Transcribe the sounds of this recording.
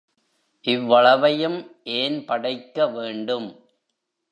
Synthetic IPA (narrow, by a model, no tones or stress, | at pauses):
ʔɪʋːɐɭɐʋɐjɯmʔeːnpɐɽɐɪkːɐʋeːɳɖɯm